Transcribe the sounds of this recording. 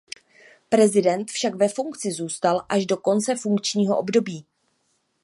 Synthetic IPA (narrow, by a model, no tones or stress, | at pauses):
pɾɛzɪdɛnt̪fʃakvɛfuŋkt͡sɪzuːst̪alʔaʒdo̞ko̞nt͡sɛfuŋkt͡ʃɲiːɦo̞ʔo̞bdo̞biː